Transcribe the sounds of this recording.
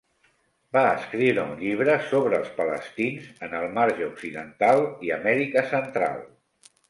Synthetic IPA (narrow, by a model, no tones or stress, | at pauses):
baəskɾiwɾəuɲʎiβ̞ɾəsoβɾəːlˠspələst̪inzənəlˠmaɾʒəuksiðənt̪alˠiə̰mɛɾikəsənt̪ɾa̰lˠ